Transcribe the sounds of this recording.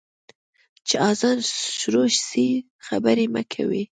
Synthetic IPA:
t͡ʃeɑzɑnʃɾoʃsi | xabəɾema̰kʰa̰wḭ

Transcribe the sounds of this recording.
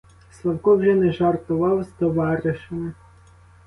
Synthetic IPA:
slˠɐwkɔwʒɛnɛʒɑrt̪ʊʋɑwzt̪ɔʋɑɾɪʃemɪ

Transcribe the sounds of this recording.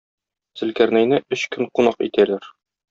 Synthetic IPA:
sɘ̆lkæɾnæjnɘɵɕkɵŋqunɑqḭt̪ælæɾ

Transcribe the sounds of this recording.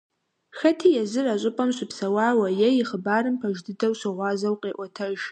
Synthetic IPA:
xɐtʰijazɨraɕʷʼʊpʼamɕʷʊpʰsawaːwajajiχəbarɨmpʰaʒdɨdɐwɕʷaʁʷazawqʼeːʔʷatʰɐʒ

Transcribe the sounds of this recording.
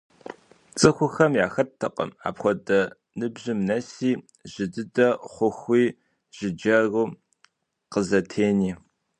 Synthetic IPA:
t͡sʼɨxʷʊxɐmjaːxɐtʰːɐ̰qʼə̰ma̰ːpxʷɔdɐ | nɨbʑɪmnɐsiː | ʒ̥ɨdɨdɐχʷʊxʷiː | ʒ̥ɪd͡ʒɐruː | qəzɐtʰeːniː

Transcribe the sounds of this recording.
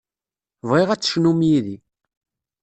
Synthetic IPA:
vʁiʁæt͡sːə̥ʃnumjiði

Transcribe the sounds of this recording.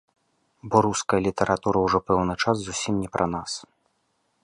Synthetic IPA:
bɔɾuskɐjɐlʲit̪ɐɾʔat̪uɾɐwʐɔpɛwnɨt͡ʂasːusʲimnʲɛpɾʔɐn̪as

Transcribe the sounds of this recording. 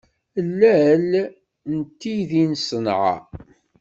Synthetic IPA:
lːæl | nt̪ːiðinsənʕa̰

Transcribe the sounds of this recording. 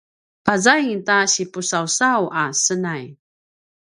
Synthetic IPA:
pazajŋtaɕipusawsawʔasənaj

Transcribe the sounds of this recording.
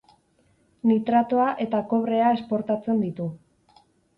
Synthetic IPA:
nit̪ɾat̪o̞aʔe̞t̪ako̞βɾe̞ae̞spo̞ɾt̪at͡se̞nd̪it̪u

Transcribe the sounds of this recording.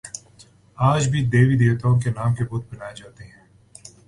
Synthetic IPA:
aːd͡ʒbʱid̪eːʋid̪eːʋt̪aõkenaːmkebʊt̪̚bɐnaːjed͡ʒaːt̪eɦɛ̃ː

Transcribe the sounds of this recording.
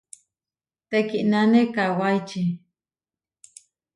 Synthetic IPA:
t̪ekiʔnanekawajt͡ʃi

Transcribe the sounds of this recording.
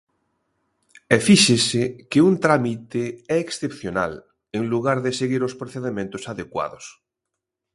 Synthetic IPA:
efiʃesekeunt̪ɾamit̪eɛeksθepθjona̰l | eŋluɣaɾðeseɣiɾospɾoθeðemẽnt̪osaðekwa̰ðo̰s

